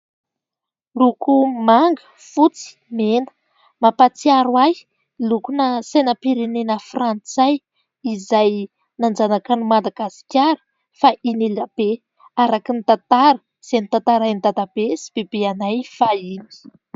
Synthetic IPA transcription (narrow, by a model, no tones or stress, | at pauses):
rukumaŋɡə̥ | fut͡si̥menə̥ | mapat͡siaɾwaj | lukunəsenəpiɾenenəfrant͡saj | izaj | nand͡zanakanimad̪aɡasi̥kʲaɾə̥ | faʔinilab̥e | aɾakinit̪at̪aɾə̥ | z̥enit̪at̪aɾajnd̪ad̪ab̥esi̥b̥ebeanajfaini̥